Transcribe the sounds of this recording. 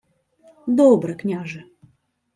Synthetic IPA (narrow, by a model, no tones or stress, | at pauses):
d̪obɾəknʲaʐɨ